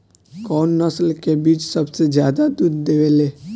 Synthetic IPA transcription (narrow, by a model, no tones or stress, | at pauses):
kɔːnːɐslkebiːt͡ʃsɐbsed͡ʒjaːd̪ad̪uːd̪ːeːʋeːleː